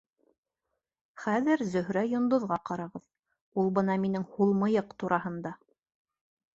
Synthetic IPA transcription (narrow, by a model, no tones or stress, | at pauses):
χæðɘɾzɵ̆ɦɾæjŏnd̪ŏðʁɑqɑɾɑʁɤð | ulˠbɤnɑminɘŋhulˠmɤ̆jɤqt̪uɾʔɑɦɤ̆nd̪ɑ